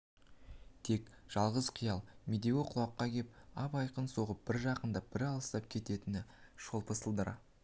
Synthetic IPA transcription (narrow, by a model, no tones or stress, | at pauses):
t̪ʰe̞kʒ̥ɑlˠʁəzqʰijɑlˠmed̪ewoqʰʊlˠɑqːɑkʲʰe̞p̚ɑpɑjqənso̞ʁəp̚b̥ɪɾʒɑqənd̪ɑb̥ɪɾɑlˠəst̪ɑp̚kʲʰe̞t̪e̞t̪ɪnɪʃolˠpəsəlˠd̪əɾɑ̰